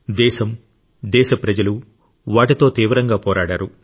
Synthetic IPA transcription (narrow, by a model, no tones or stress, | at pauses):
d̪ɛːʃɐm | d̪ɛːʃɐpɾɐd͡ʒɐlu | ʋaːʈit̪o̞ːt̪iːʋɾɐŋɡaːpɔːɾaːɽaːɾu